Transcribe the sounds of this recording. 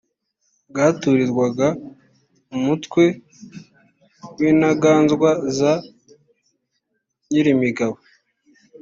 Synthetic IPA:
ɡaːtuɾiɾɡwaɡa | umutkwe̞ | winaɡaːnzɡwaza | ɲiɾimiɡaβo

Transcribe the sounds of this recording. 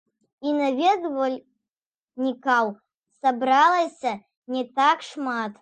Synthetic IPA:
inavʲɛd̪vɐlʲ | nʲikaw | sabɾalˠɐsʲɐ | nʲɛt̪akʂmat̪

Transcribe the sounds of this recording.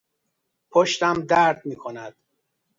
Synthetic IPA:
pʰoʃt̪æmd̪æɾd̪miːkʰonæd̪̥

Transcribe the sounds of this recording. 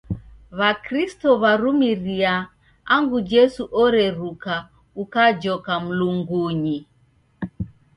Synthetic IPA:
βakɾistɔβaɾumiɾia | aŋɡud͡ʒɛsuʔɔɾɛɾuka | ukad͡ʒɔkam̩luŋɡuɲi

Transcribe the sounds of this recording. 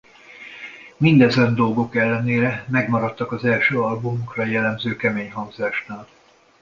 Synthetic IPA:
mind̪ɛzɛnd̪o̞lɡo̞kɛlːɛneːɾɛmɛɡmɒɾɒt̪ːɒkɒzɛlʃøːɒlbumokrɒjɛlːɛmzøːkɛmeːɲɦɒŋzaːʃnaːl

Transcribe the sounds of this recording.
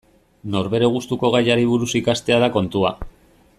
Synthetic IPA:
no̞ɾβe̞ɾe̞ɣ̞ust̪uko̞ɣ̞ajaɾiβ̞uɾusikast̪e̞aðako̞nt̪ua

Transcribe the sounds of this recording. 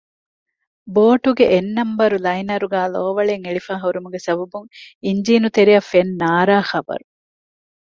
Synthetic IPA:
boːʈuɡeʔenːɐmbɐɾulɐjnɐɾuɡæːloːʋɐɭeŋeɭifaːɦoɾumuɡesɐbɐbuŋiɲd͡ʒiːnut̪eɾiɐfenːaːɾaːxɐbɐ̰ɾu

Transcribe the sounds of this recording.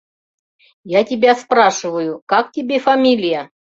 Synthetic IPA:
jatʲɪbʲaspɾaʂɨvəjʊkak̚tʲɪbʲefɐmʲilʲɪjə

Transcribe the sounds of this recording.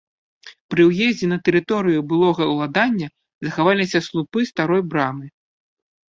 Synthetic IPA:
pɾɨwjɛzʲd͡zʲɛnɐt̪ɛɾɨt̪ɔɾɨjubɨlˠɔɣɐwlˠad̪anʲːɐ | zɐxavalʲisʲɐslˠupɨst̪aɾɔjbɾamɨ

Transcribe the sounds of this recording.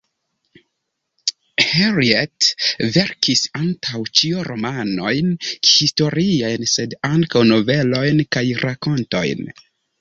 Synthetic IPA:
heɾietve̞ɾkʰisaŋtʰawt͡ʃioɾomano̞jnhisto̞ɾiajnse̞daŋkawno̞ve̞lo̞jnkajɾako̞nto̞̰jn

